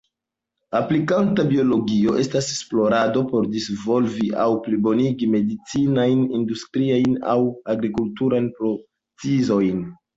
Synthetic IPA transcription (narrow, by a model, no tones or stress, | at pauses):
aplikantabio̞lo̞ɡio̞ʔe̞stasesplo̞ɾado̞po̞ɾdisvo̞lviʔawplibo̞niɡime̞dit͡sinajnindustɾiajna̰waɡɾikultuɾajnpɾo | t͡sizo̞jn